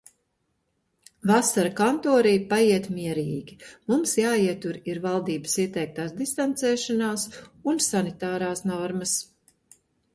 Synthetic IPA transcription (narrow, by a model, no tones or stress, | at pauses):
vasaɾkant̪ɔːɾijpajiɛt̪miɛɾiːɡʲimumsjaːiɛt̪uɾiɾvalˠd̪iːbə̥siɛt̪ɛjk̚t̪aːsd̪ist̪ant̪sɛːʃanaːsunsanit̪aːɾaːsnɔɾmɐs